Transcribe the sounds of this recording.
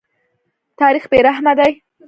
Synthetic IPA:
t̪ɑɾixbeɾaɦmad̪aj

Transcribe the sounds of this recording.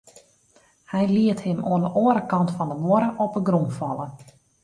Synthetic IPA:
hɛjliəthɪmoənəʔoəɾəkɑntfɔndəmoəɾəʔɔpəɡrumfɑlˠə

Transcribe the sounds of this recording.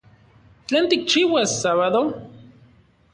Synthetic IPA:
θlænt̪ik̚t͡ʃiwæssːaβaðo

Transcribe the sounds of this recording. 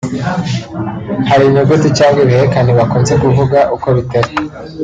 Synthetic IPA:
haɾimoɡotit͡ʃaːŋɡweβiheɾekaneβakoːnze̞kuvuɡaʔuko̞βitaɾi

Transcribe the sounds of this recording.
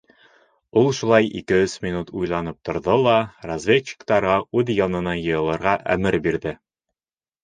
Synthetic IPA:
ulˠʃulˠɑjḭkɘɵsmʲinut̪ʰujlˠɑnɤp̚t̪ŏɾðɤlˠɑrɐzvʲet̪ɕɪ̥kt̪ɑɾʁɑʉðjɒnɤ̆nɑjɤ̆jɤ̆lˠɤ̆ɾʁɑʔæ̰mɘɾbiɾðɘ

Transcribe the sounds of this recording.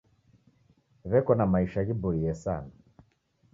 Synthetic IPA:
βɛkɔnamaiʃaɣibɔijɛsa̰na

